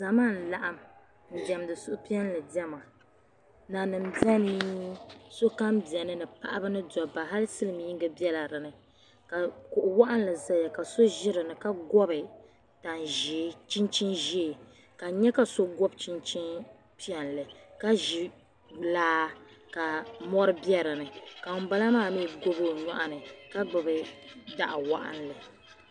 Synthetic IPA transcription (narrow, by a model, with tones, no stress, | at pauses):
za˨maː˦˨n̩˨la˦ʔa˦m | n̩˨d͡ʒɛ˨mdɨ˨sʊ˦ʔʊ˦pi˦ɛ˦n˦lɨ˨dɛ˦ma˨ | na˨nɨ˨mda˦ni˦ | so˦ka˦mbi˨ɛ˨nɨ˦nɨ˨pa̰˦ʔa˦bɨ˦nɨ˦dɔ˨ba˨ɦa˦lɨ˦sɨ˦lɨ˨m˨ji˦ŋɡɨ˦bɛ˦la˨ɾɨ˨nɨ˨ | ka˨kʊ˨ʔʊ˨wa˦ʔa˦n˦lɨ˨za˦ja˨ka˨so˦ʒɪ˦ɾɨ˨nɨ˨ka˦ɡɔ˦bɨ˨ | ta˨nʒt͡ʃi˦nt͡ʃi˦nʒiː˦˨ | ka˨ɲɛ˦ka˨so˦ɡɔ˦bt͡ʃi˦nt͡ʃi˦n | pi˦ɛ˨nlɨ˨ka˦ʒɪ˨ | laː˦ka˨mɔ˦ɾɨ˦bjɛ˦ɾɨ˨nɨ˨ka˨ʊ˨˦ba˦la˦maː˦˨mi˦ɡo˦bo˦˨ɲa˦ʔa˨nɨ˨ka˦ɡ͡bʊ˨bɨ˨da˨ʔa˨wa˦ʔa̰˦nlɨ˨